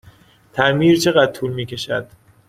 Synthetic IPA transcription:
t̪ʰæɾmiːɾt͡ʃʰe̞ɣæd̪̥̚t̪ʰuːlmiːcʰe̞ʃæd̪̥

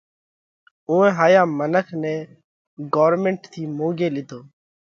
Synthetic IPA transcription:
ʊ̃ːɛ̃ːɦaːjaːmənəkʰnɛː | ɡoːɾmẽːɳʈt̪ʰiːmoːɡeːlɪd̪ʱoː

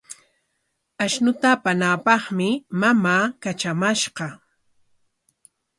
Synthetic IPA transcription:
aʃnʊt̪apanapɑχmɪmamaːkat͡ʃamaʃɢɑ

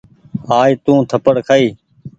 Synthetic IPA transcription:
aːit̪ũːt̪ʰəpəɽkʰaiː

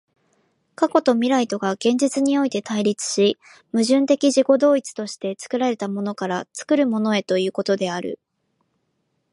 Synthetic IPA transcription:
kako̞t̪o̞mʲiɾait̪o̞ɡaɡ̥ẽ̞ɲ̟d͡ʑit͡sɨɲ̟io̞it̪e̞t̪ʰaiɾʲit͡sɨ̥ɕi | mɯ̟ʑɨ̃nt̪e̞kʲiʑiko̞d̪o̞ːit͡sɨ̥t̪o̞ɕi̥t̪e̞t͡sɨ̥kɯ̟ɾaɾe̞t̪amo̞no̞kaɾat͡sɨ̥kɯ̟ɾɯ̟mo̞no̞e̞t̪o̞jɯ̟ːko̞t̪o̞d̪e̞aɾɯ̰

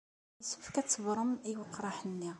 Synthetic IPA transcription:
səfkæt͡sːəvɾˤəmiwəqːɾˤɑħənːi

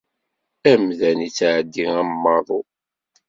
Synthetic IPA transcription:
æmðænit͡sːʕəd̪ːiŋæmːɑðˤo

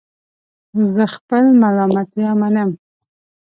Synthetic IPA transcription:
zəxpəlmalɑmat̪jɑmanəm

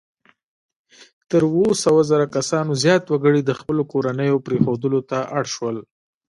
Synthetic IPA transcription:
t̪əɾwosəwazəɾakasɑnozjɑt̪waɡəɽid̪əxpəlokoɾanəjopɾexod̪əlot̪aʔaɽʃwəl

